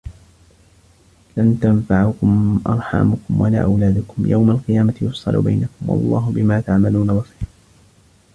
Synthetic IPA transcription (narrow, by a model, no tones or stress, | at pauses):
lant̪anfaʕʊkʊmʔɑ̰ɾˤħɑ̰mʊkʊmwala̰ːʔawlaːd̪ʊkʊmja̰wmalqɨjaːmajʊsˤɑ̰lʔʊ̰ba̰jnakʊmwɑ̰lˤːɑːɦʊbɪmaːt̪aʕmaluːnabɑsˤi̥ːɾ